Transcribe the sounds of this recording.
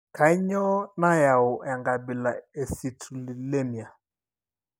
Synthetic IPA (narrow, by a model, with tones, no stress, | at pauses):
ka˨ɪ˦ɲɔ˦na˦ja˨ʊ˨ʔɛ˨ŋɡa˨bɪ˨la˨e˨si˨tʰu˨li˨le˦mi˨a˨